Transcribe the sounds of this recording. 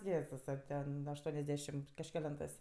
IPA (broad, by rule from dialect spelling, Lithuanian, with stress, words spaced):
ˈjeːzʊsɐ ˈtʲɛn ɐʃˈtuɔnʲɛzʲˌdʲæːʃʲɪmt kɐʃʲkʲɛˈlʲɛntɜs